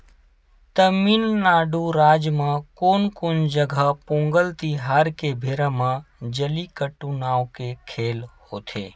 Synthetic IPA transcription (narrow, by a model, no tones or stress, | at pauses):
t̪əmiːnːaːɖuɾaːd͡ʒmãkoːnkond͡ʒəɡʱəpõːŋɡəlt̪iɦaːɾkebʱeːɾəmãd͡ʒəlikəʈːunaːwkekʰeːlhoːt̪ʰḛː